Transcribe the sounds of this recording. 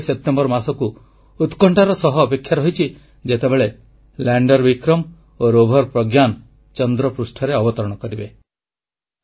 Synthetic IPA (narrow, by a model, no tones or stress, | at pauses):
sep̚ʈembɔɾmasɔku | ut̪kɔɳʈaɾɔsɔɦɔːpekʰːjaɾɔɦjt͡ʃʰi | d͡ʒet̪ebeɭe | laɳɖɔɾbikɾɔm | oɾobʱɔɾpɾɔɡjan | t͡ʃɔnd̪ɾɔpɾusʈʰɔɾeɔbɔt̪ɔɾɔɽ̃ɔkɔɾibe